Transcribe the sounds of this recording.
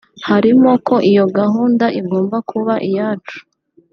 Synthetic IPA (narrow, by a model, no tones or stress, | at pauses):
haɾimo̞ko̞ʔijo̞ɡaɦuːndaʔiɡo̞ːmbakʰuβaʔijaːt͡ʃu̥